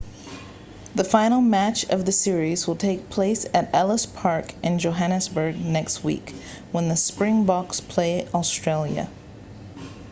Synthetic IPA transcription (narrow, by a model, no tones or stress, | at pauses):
ðɨfãɪ̃nl̩ˠmæt͡ʃʌvðɨsɪɹizwəlˠtʰeɪk̚pʰl̥eɪsɨɾɛlˠəspʰɑɹkʔɨ̃nd͡ʒoʊɦænɨsbə˞ɡ̚nɛkst̚wḭk | wə̃nðɨspɹɪ̃ŋbɑkspʰl̥eɪəstɹ̥eɪlˠjɨ̰